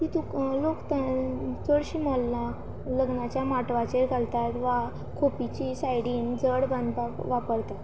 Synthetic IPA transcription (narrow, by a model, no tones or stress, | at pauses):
kit̪uklokt̪ət͡səɽɕimɔlːa | ləɡnat͡ɕjamaʈʋat͡ɕeɾɡalt̪at̪ʋa | kʰopit͡ɕisajɽiːnd͡zəɽbənd̪aʋapəɾt̪at̪